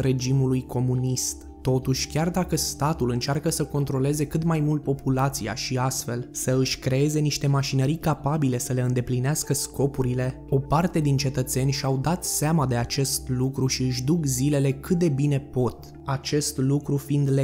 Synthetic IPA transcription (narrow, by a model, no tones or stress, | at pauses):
re̞d͡ʒimulujkʰo̞munist̪ | t̪o̞t̪uʃʲkʲard̪akəst̪at̪ulɨnt͡ʃearkəsəko̞nt̪ɾo̞le̞ze̞kɨt̪majmult̪̚po̞pulat̪sia̰ʃiast̪fe̞lsəɨʃʲkɾe̞e̞ze̞niʃt̪e̞maʃinəɾijkapabile̞səle̞ɨnd̪e̞plineaskəsko̞puɾile̞ | o̞part̪e̞d̪int͡ʃe̞t̪ət̪se̞nʲʃiawd̪at̪seamad̪e̞at͡ʃe̞st̪lukɾuʃiɨʃ̬d̪ukzile̞le̞kɨt̪̚d̪e̞bine̞po̞t̪ | at͡ʃe̞st̪lukɾufind̪le